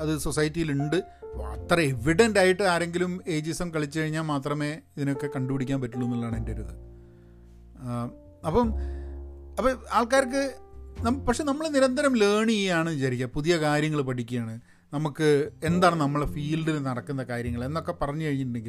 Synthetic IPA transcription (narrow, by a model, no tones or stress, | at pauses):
ɐðɨsosɐjitːijiluɳɖɨ | ɐ̰t̪ːrɐe̞ʋiɽendaːjiʈːɨaːɾe̞ŋɡilume̞ːd͡ʑisɐmkɐɭit͡ɕːɨkɐɻiɲːaːlmaːt̪rɐme̞ːiðino̞kːe̞kɐɳɖupiɽikʲːaːnmpɐtːuɭːunːilːaːɳendeɾuðɨ | ɐpːɐm | ɐpːɐaːɭkaːɾk̬ːɨnɐmpɐkʂe̞nɐmːɐɭeniɾɐnd̪ʱɐɾɐmleːɳijaːɳɨɕɐɾikʲːɐpuðijɐkaːɾjɐŋːɐɭpɐʈʰikʲːujaːɳɨ | nɐmukːɨe̞nd̪aːɳɨnɐmːɐɭfiːlɖilnɐɽɐkːunːɐkaːɾjɐŋːɐɭe̞nːo̞kːe̞pɐrɐɲːɨkɐɻiɲːiʈːuɳɖeŋɡil